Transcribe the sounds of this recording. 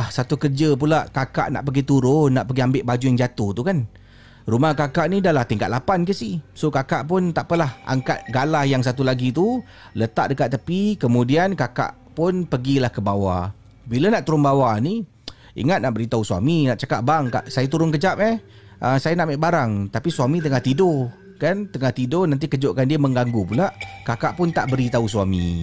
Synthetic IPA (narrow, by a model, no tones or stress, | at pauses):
hsat̪ukərd͡ʒəp̬ulaʔkaka̰ʔna̰ʔpəɡit̪uɾʊnːaʔpəɡiambɪʔbad͡ʒujaŋd͡ʒat̪ʊht̪ukan | rumahkakaʔnidalaht̪iŋka̰t̪̚lapankəsihsokakaʔpʊnt̪aʔpəlaha̰ŋka̰t̪̚ɡalahjaŋs̬at̪̬ulaɡit̪u | lət̪a̰ʔ̚dəkat̪ʔ̚t̪ːəpikəmudiankaka̰ʔ | pʊnpəɡilahkəbawa | bilanaʔt̪uɾʊnbawani | ḭŋat̪̚naʔbəɾit̪ausua̰minaʔt͡ʃakaʔ̚baŋka̰ʔsajat̪uɾʊnkəd͡ʒap̚ɛh | ʔəsajanaʔmɛʔbaɾaŋt̪apisuamit̪əŋaht̪idʊ | kant̪əŋaht̪idʊnãnt̪̬ikəd͡ʒoʔkandiəməŋɡaŋɡupulaʔkakaʔpʊnt̪aʔbəɾit̪auswamḭ̃